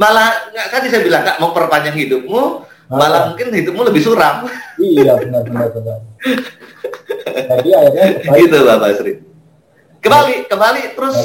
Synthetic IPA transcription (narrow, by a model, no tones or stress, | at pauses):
malahŋaʔk̪adisajabilaŋkaʔmaŋpərpaɲd͡ʒaŋhidʊp̚mu | malahmuŋkɪnhidʊp̚muləbɪhsuɾamiaənasəasəa | adiaaaɡit̪ubabasɾi | kəmbalikəmbalit̪əɾʊs